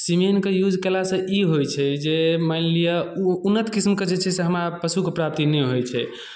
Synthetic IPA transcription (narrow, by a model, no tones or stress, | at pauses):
simenkejud͡ʒʱkelasə̃ʔiɦojt͡ʃʰɛd͡ʒeməllijaunːət̪kismked͡ʒet͡ʃʰɛseɦəmɾapəsukepɾap̚t̪inɛɦojt͡ʃʰɛ